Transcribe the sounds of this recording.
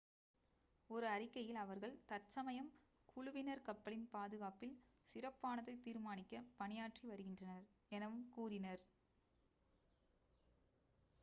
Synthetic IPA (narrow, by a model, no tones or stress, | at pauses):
ɔɾɯɐɾɪkːɐjɪlɐʋɐɾɣɐɭt̪ɐt͡ʃːɐmɐjɐm | kʰʊɻʊʋɪnɐɾkɐpːɐɭɪnpaːðɯɣaːpɪlsɪɾɐpːaːnɐðɐɪt̪ːiːɾmaːnɪkːɐpɐnɪjaːʈriʋɐɾɯɣɪndrɐnɐɾɛnɐʋɯmkuːɾɪnɐɾ